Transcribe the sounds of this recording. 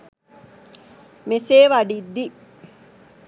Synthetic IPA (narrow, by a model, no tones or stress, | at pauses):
meseːʋaɖid̪ːi